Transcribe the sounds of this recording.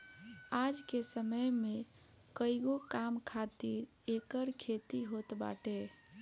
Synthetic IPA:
ad͡ʒkesəməjme | kəiɡokamkʰat̪iɾ | ekəɾkʰet̪iɦot̪ba̰ʈe

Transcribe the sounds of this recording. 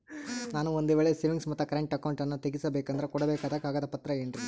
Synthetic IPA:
naːnuond̪uʋeːɭeseːʋiŋɡsmɐt̪ːɐkɐɾeɳʈɐkɐwɳʈɐnːut̪eɡisɐbeːkɐnd̪ɐɾekɔɽɐbeːkaːd̪ɐkaːɡɐːd̪ɐpɐt̪ɾɐeːnɾi

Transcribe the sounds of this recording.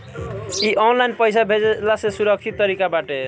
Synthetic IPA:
iʔɔnlainpəjsabʱed͡ʒelasẽsuɾʌkt͡ʃʰit̪ːʌɾikabaʈe

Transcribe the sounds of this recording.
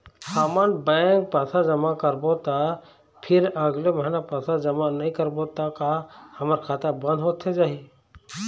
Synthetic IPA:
hamənbɛ̃ŋk̚pasad͡ʒəmakəɾbot̪a | pʰɪɾəɡleməɦɪnapasad͡ʒəmanəĩkəɾbot̪akahɐməɾkʰaːt̪abə̃nd̪ʱɦot̪ʰːed͡ʒaːɦi

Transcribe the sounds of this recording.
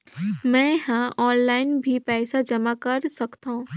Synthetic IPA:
mɛ̃ːɦãʔɔːnlaːɪnbʱipɛːsad͡ʒɐmakɐɾsɐkt̪aɦũː

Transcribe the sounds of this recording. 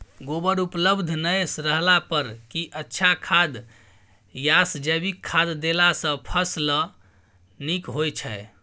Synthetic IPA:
ɡobəɾupləbd̪ʱnəjsɾəɦlapəɾkiʔətːʃʰakʰad̪ | jasd͡ʒəbikʰːad̪ːelasə̃pʰəslə | nikɦojt͡ʃʰɛ

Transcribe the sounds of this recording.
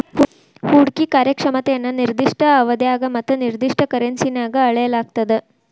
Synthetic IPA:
huːɽkikaːɾjɐkʂɐmɐt̪ejɐnːɐniɾd̪iʂʈɐːʋɐd̪jaːɡɐmɐt̪ːɐniɾd̪iʂʈʰɐkɐɾensinjaːɡɐːɭɐjɐlaːɡ̚t̪ɐd̪e

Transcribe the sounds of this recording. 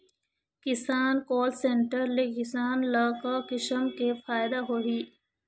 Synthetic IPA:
kɪsaːnkoːlsẽɳʈəɾlekɪsaːnlaːkakɪʃəmkefaːjɪd̪aɦoːɦiː

